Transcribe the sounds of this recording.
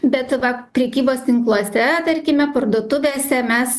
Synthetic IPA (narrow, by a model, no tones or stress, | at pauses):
bʲɛt̪ʋɐpʲɾʲɛkʲiːboːst̪ʲɪŋklˠuɔsʲɛt̪ɐɾʲkʲɪmʲɛpɐrd̪oːt̪ʊʋʲeːsʲɛmʲɛs